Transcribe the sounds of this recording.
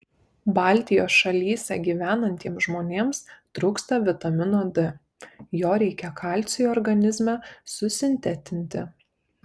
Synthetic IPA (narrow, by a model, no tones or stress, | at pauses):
bɑˑlʲt̪ʲɪjoːsʃɐlʲiːsʲɛɡʲiːʋʲæːnɐnʲt̪ʲiɛmsʒmoːnʲeːmst̪ɾʊːkst̪ɐʋʲɪt̪ɐmʲɪnoːd̪ʲɪ | joːɾʲɛɪkʲɛkʰɑˑlʲt̪sʲɪjuɔːɾɡɐnʲɪzʲmʲɛsʊsʲɪnʲt̪ʲæt̪ʲɪnʲt̪ʲɪ̰